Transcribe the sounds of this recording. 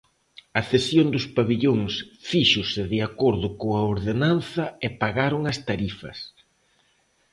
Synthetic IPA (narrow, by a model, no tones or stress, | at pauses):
ɐθesjond̪ʊspaβiʎoŋsfiʃʊsɪðɪakoɾðʊkoɐoɾðenanθɐepaɣaɾʊŋɐst̪aɾifɐs